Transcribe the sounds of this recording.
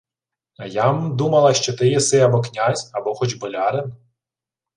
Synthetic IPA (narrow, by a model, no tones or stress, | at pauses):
ɐjamd̪umɐlˠɐʃt͡ʃɔt̪ɪjɛsɪɐbɔknʲazʲɐbɔxɔt͡ʃbɔlʲɑɾɪn